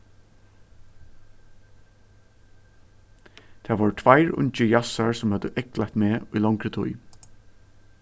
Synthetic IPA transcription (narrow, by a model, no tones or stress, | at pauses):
t̪ʰaːʋɔːɹt̪ʰvaɪɹʊ̰ɲt͡ʃəjasaɹsʊmhœd̪əʔɛklajt̪meːʊjlaŋkɾət̪ʰʊ̰j